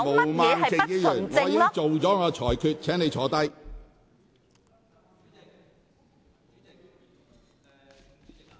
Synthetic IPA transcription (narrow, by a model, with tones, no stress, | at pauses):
mo˨˧maɛ˨˧ɐ˨jkɪ˧˥ji˥jːt͡sŋɔɪː˨˥˧jɪ˥t͡so˨wt͡sɔː˨˥ŋɔː˨˧t͡ʃʰɔː˨˩jkʰyː˧t̚t͡ʃʰɛː˨˥ŋne˨˧jt͡ʃʰɔː˨˥t̪ɐ˥j